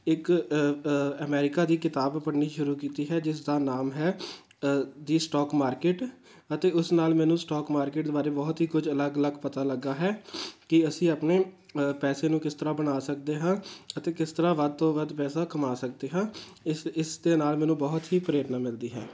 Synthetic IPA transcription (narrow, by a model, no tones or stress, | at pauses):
ɪk | əmɛːɾɪkaːd̪iːkɪt̪aːbpəɽniːʃʊɾuːkiːt̪iːɦɛːd͡ʒɪsd̪aːnaːmɦɛː | d̪iːsʈɔːkmaːɾkeːʈ | ət̪eːʊsnaːlmɛ̃ːnũːsʈɔːkmaːɾkeːʈ̚d̪eːbaːɾeːbɔːt̪ɦiːkʊd͡ʒələɡələɡpət̪aːləɡːaːɦɛːkɪəsĩːaːpneː | pɛːseːnũːkɪst̪əɾaːbənaːsəkd̪eːɦãːət̪eːkɪst̪əɾaːʋəd̪̚t̪õːʋəd̪pɛːsaːkəmaːsək̚d̪eːɦãː | ɪɪsd̪eːnaːlmɛ̃ːnũːbɔːt̪ɦiːpəɾeːʈnaːmɪld̪iːɦɛ̰ː